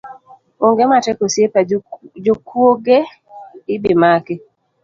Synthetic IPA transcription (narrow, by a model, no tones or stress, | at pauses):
oŋɡematɛkosjepad͡ʒokwoɡe | ɪbɪmakɪ